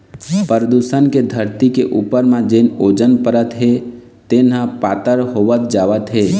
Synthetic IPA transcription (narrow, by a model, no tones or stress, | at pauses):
pəɾəd̪uːsənked̪ʱəɾt̪ikeʔuːpəɾmãd͡ʒenoːd͡ʒənpəɾət̪ɦe | t̪enɦə̃paːt̪əɾɦoːʋət̪d͡ʒaːʋət̪ɦeː